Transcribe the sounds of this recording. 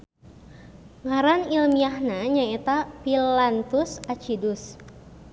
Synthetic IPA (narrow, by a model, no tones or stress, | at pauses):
ŋaɾanilmiahnaɲaɛt̪apilant̪usat͡ʃidʊs